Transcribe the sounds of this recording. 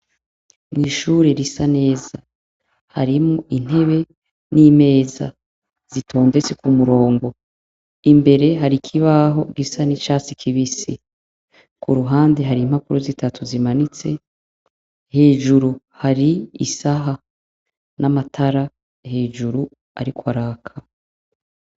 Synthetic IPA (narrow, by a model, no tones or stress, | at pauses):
niʃuːɾe̞ɾisane̞ːza | ha̰ɾimoʔin̥e̞βe̞ | niːme̞ːza̰ | z̥itʰo̞ːnde̞t͡sekumuɾo̞ːŋɡo̞ | imbe̞ɾe̞ɦaɾikʰiβaɦo̞ɡisanit͡ʃaːt͡sikʰiβisi | kʰuɾuɦaːnde̞ɦaɾiːm̥hakuɾuzitʰatʰuzimanit͡se̞ | he̞ːʒuɾu | haɾiḭsaɦa | namatʰaɾa | he̞ːʒuɾu | a̰ɾikwaɾaːkʰa